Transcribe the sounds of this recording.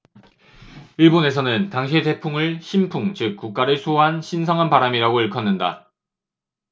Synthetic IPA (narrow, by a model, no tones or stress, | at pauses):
iɭbone̞s̬ʰʌnɯntaŋɕʰiete̞pʰuŋɯɭɕʰimpʰuŋt͡ɕɯk̚k͈uk̚k͈aɾɯɭsʰuɦanɕʰins̬ʰʌŋɦanpaɾamiɾaɡoiɭkʰʌnːɯnda̰